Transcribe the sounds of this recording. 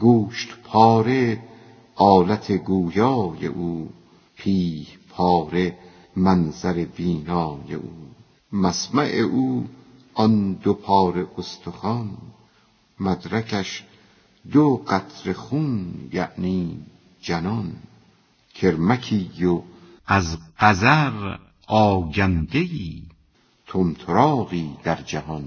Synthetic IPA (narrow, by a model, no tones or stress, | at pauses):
ɡuːʃt̪pʰɒːɾe | ɒːlæt̪ʰeɡuːjɒːjḛʔuː | pʰiːhpʰɒːɾe | mænzæɾebiːnɒːjḛʔuː | mæsmæʔeʔuː | ɒnd̪opʰɒːɾe̞ʔost̪ʰoxɒn | mæd̪ɾækʰæʃ | d̪oɢæt̪ʰɾe̞xuːnjæ̰ʔniː | d͡ʒænɒn | kʰe̞ɾmækʰiːjo | æzɢæzæɾ | ɒːɡænd̪ejiː | t̪ʰomt̪ʰoɾɒːɣiːd̪̥æɾd͡ʒæhɒn